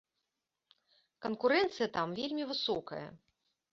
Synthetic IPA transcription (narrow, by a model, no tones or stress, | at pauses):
kɐnkuɾɛnt̪sɨjɐt̪amvʲelʲmʲivɨsɔkɐ̰jɐ̰